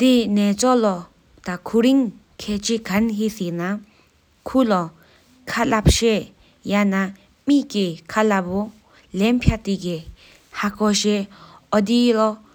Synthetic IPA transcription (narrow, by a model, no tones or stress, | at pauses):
d̪inɛːt͡sɔʔlɔ | t̪akʰuɹiŋ | kʰɛːʔt͡ɕʰikanɦiʔsiʔna | kʰulɔ | kʰalap̚ɕɛʔ | jana | miʔkikʰalapu | lɛnpʰjaʔt̪iki | hakʰɔɕeʔɔd̪ilɔ